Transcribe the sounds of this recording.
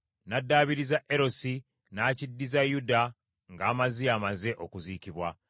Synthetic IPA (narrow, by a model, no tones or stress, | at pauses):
nadːaːβiɾizaʔe̞ɾo̞si | naːcidːizajuda | ŋɡaːmaziamaze̞ʔokuziːciβwa